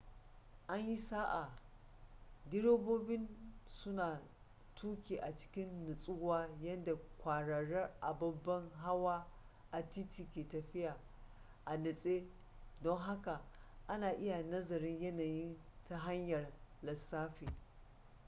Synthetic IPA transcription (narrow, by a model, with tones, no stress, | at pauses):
ʔa˦ɲji˦saː˦ʔa˨ | dɪ˦ɽoː˦boː˦bɪ˦nsʊ˦naː˨ | tʰuː˦kʲeː˨ʔa˨t͡ʃɪ̥˦kʲɪ˦nːɪ˨sʼʊ˦waː˦jɐ˦nda˨kʷaː˨ɽɐ˨ɽɐ˦rʔa˨bɐ˦bːɐ˦ŋɦa˦waː˦ | ʔa˨ti˦tiː˨kʲeː˨tɐ˨ɸɪ˦ja˨ | ʔa˨nɪ˨sʼeː˦ | dɔ˦ŋɦa˦ka˨ʔa˦naː˨ʔɪ˦ja˨nɐ˦zɐ˨ɾɪ˦ɲjɐ˦naː˨jɪ˦nta˦ɦa˦ɲjɐ˨rlɐ˨sːaː˦ɸiː˨